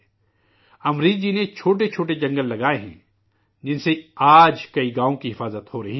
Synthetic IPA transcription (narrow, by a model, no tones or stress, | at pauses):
ɐmɾiːd͡ʒinet͡ʃʰoːʈ̬et͡ʃʰoːʈ̬ed͡ʒɐ̃ŋɡəlːɐɡaːeɦɛ̰̃ː | d͡ʒɪnseaːd͡ʒkɐiɡaːõkiɦɪfaːzət̪hoɾɐɦi